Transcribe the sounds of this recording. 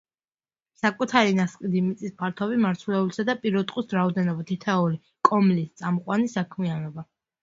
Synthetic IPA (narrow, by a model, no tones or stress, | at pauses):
sakʼut̪ʰaɾinasqʼid̪imit̪sʼispʰaɾt̪ʰɔbimaɾt̪sʰulɛulisad̪apʼiɾɔt̪ʼqʼwisɾaɔd̪ɛnɔbat̪ʰit̪ʰɛuli | kʼɔmlist̪sʼamqʼwanisakʰmianɔba